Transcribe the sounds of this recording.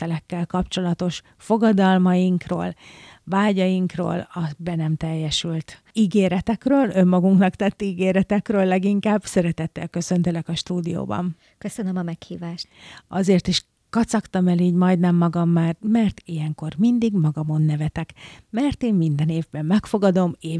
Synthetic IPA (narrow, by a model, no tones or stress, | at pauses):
ɛlɛkːɛlkɒpt͡ʃo̞lɒt̪o̞ʃ | fo̞ɡɒd̪ɒlmɒjiŋkro̰ːlvaːɟɒjiŋkro̰ːlɒbɛnɛmt̪ɛjːɛʃylt̪ | iɡeːɾɛt̪ɛkrøːlø̞mːɒɡuŋknɒkt̪ɛt̪ːiːɡeːɾɛt̪ɛkrøːlːɛɡiŋkaːbsɛɾɛt̪ɛt̪ːɛ̰lkø̞sø̞nt̪elɛkɒʃt̪uːd̪ijo̰ːbɒ̰n | køsønømɒmɛkhiːvaːʃt̪ɒzeːrt̪iʃ | kɒt̪sɒkt̪ɒmɛliːɟmɒjd̪nɛmːɒɡɒmːaːrmɛrt̪ijɛŋko̞rmind̪iɡmɒɡɒmo̞nːɛvɛt̪ɛkmɛrt̪eːmmind̪ɛneːvbɛmːɛkfo̞ɡɒd̪o̞meː